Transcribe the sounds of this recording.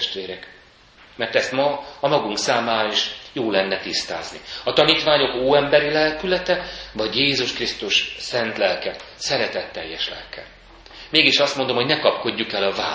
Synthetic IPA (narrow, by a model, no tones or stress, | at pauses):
ʃt̪ʋeːɾɛk | mɛrt̪ɛst̪mɒːmɒɡuŋksaːmaːɾɒiʃjoːlɛnːɛt̪ist̪a̰ːznḭɒt̪ɒniːt̪ʋaːɲo̞koːɛmbɛɾilɛlkylɛt̪ɛvɒɟjeːzuʃkrist̪uʃsɛnt̪lɛlkɛsɛɾɛt̪ɛt̪ːɛjːɛʃlɛ̰lkʰɛ̰ | meːɡiʃɒst̪mo̞nd̪omho̞ɟnɛkɒpko̞ɟːukɛlɒva̰ː